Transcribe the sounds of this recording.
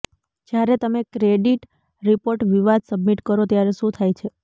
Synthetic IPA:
d͡ʒjaɾet̪əmekɾeɖiʈ | ɾipoɾʈʋiʋad̪̚səbmiʈkəɾot̪jaɾeʃũt̪ʰajt͡ʃʰe

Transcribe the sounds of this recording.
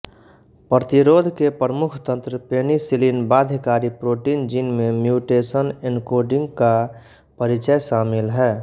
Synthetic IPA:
pɾət̪iɾoːd̪ʱkepɾəmʊkʰt̪ə̃nt̪ɾəpenisilinbad̪ʱkaɾipɾoːʈind͡ʒinmemjuʈesənenkoɖɪ̃ŋɡka | pəɾit͡ʃəjʃaːmɪlɦɛː

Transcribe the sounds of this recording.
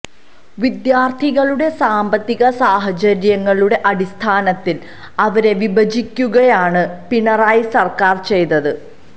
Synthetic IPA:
ʋid̪jaːrt̪ʰiɣɐɭuɽe̞saːmbɐt̪ːiɣɐsaːɦɐd͡ʑɐɾjɐŋːɐɭuɽe̞ʔɐɽist̪ʰaːnɐt̪ːil | ɐʋɐɾe̞ʋibɐd͡ʑikʲːuɣɐjaːɳɨpiɳɐraːjisɐrkaːrt͡ɕe̞jt̪ɐðɨ

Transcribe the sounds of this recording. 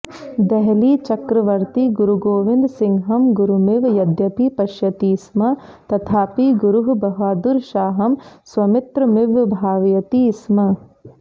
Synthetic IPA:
d̪ɛɦliːt͡ʃɐkɾɐʋɐɾt̪iɡuɾuɡoːʋɪnd̪sɪŋɦɐmɡuɾumɪʋjɐd̪jɐpipɐʃjɐt̪iːsmɐ | t̪ɐt̪ʰaːpiɡuɾuɦubɐɦʋaːd̪uɾʃaːɦɐmsʋɐmɪt̪ɾɐmɪʋbʱaːʋjɐt̪iːsmɐ

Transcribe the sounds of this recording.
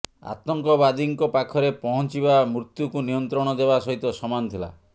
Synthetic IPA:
a̰t̪ɔŋkɔbad̪iŋkɔpakʰɔɾepɔɦɔnt͡ʃibamɾut̪jukunijɔnt̪ɾɔɽ̃ɔd̪eβasɔɦit̪ɔsɔmant̪ʰila̰

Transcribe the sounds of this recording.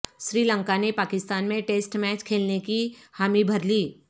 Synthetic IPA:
ʃɾiːlə̃ŋkanepaːkɪst̪aːnmẽʈeːsʈmɛːt͡ʃkʰeːlnekihaːmibʱɐɾliː

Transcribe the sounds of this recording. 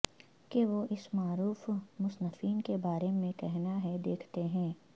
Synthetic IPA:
keʋoʔɪsmaːɾuːfmʊsnəfiːnkebaːɾemẽkɛɦnaɦɛd̪eːkʰt̪eɦɛ̃ː

